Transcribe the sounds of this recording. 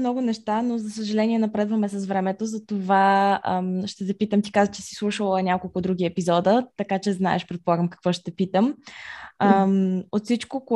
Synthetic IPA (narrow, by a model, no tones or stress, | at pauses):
mnɔɡʊnɛʃt̪anozɐsəʒɐlɛniɛnɐpɾɛd̪vɐmɛsɐsvɾɛmɛt̪ozɐt̪ova | ʃt̪ɛs̬ɛpit̪əmt̪i̥kazət͡ʃɛsi̥slˠuʃəlˠənʲakolˠkʊd̪ɾuɡ̟ʲiɛpizɔd̪ət̪ɐkat͡ʃɛznaɛʃpɾɛt̪̚polˠaɡəmkɐ̥kvɔʃt̪ɛpit̪əm | ot̪fsit͡ʃkoko